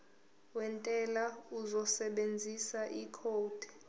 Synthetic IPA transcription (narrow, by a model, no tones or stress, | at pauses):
wɛntʼɛlauzɔsɛɓend͡zʱisaʔikʰoːd̥ʱɛ